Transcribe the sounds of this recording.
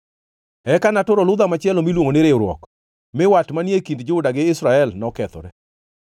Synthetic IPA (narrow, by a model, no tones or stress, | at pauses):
ɛkanatʊɾɔlʊd̪amat͡ʃɪɛlomilwoŋonɪɾeɾwɔ̰k | mɪwatmanjekindd͡ʒɪʊdaɡɪɪsɾaɛlnɔkɛt̪ɔ̰ɾɛ